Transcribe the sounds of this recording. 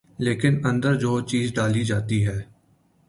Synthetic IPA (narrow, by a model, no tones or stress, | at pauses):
leːkɪnə̃nd̪əɾd͡ʒoːt͡ʃiːzɖaːlid͡ʒaːt̪iɦɛː